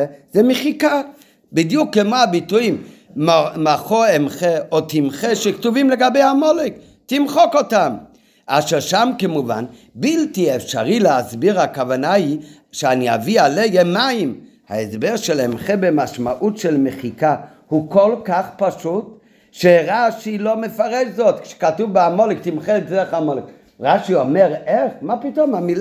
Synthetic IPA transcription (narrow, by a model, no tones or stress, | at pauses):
zɛmeχika | bid̪jukːemoabituim | maχoemχeot̪imχeʃektuvimleɡabejhamolek | timχokotam | ʔaʃeʁʃamkemuva̰n | biltiefʃa̰ʁileasbiʁhakavanai | ʃeania̰vialejemaim | ha̰esbeʁʃelemχebemaʃmaʔutʃelmeχika | hukolkaχpaʃut | ʃeʁaʃilo̞mefaʁeʃzot̪kʃe̥katuvbeamolek̚t̪imχedeχamolek | ʁaʃiomeʁeχmapito̞mhamil